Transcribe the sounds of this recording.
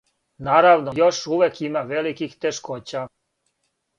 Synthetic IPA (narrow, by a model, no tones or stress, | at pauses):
naɾaʋnojoʃuʋekʰimaʋelikixt̪eʃkot͡ɕa